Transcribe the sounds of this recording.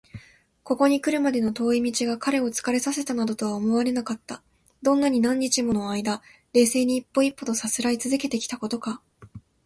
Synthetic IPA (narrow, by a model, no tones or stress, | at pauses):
ko̞ko̞ɲ̟ikɯ̟ɾɯ̟mad̪e̞no̞t̪o̞ːimʲit͡ɕiɡakaɾe̞o̞t͡sɨ̥kaɾe̞sase̞t̪anad̪o̞t̪o̞βaomo̞βaɾe̞nakat̪ːa | d̪̥õ̞nːaɲ̟inãɲ̟ːit͡ɕimo̞no̞aid̪a | ɾe̞ːse̞ːɲ̟iːpːo̞ipːo̞t̪o̞sat͡sɨɾait͡sɨzɨke̞t̪e̞kʲi̥t̪ako̞t̪o̞ka